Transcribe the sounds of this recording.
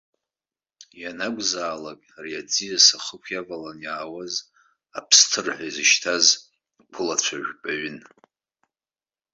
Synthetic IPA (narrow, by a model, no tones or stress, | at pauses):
janaɡʷʼzaːlakʼriad͡zijasaχəkʷʰjavalanjaːwaz | a̰pʰstʰɨrħʷaizɨʃtʰaz | kʷʰʊlat͡ɕʷʰaʒᶣʲpʼaɥʏn